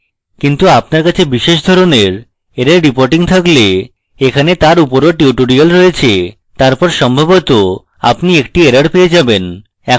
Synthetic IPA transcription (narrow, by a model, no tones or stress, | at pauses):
kint̪uap̚naɾkat͡ɕʰebiʃeʃ̬d̪ʱɔɾoneɾ | eɾeɾɾipoɾʈiŋt̪ʰakle | ekʰanet̪aɾupoɾoʈiuʈuɽialɾɔet͡ɕʰe | t̪aɾpɔɾʃɔmbʱabot̪o | a̰pniek̚ʈieɾaɽpeed͡ʑaben | ɛ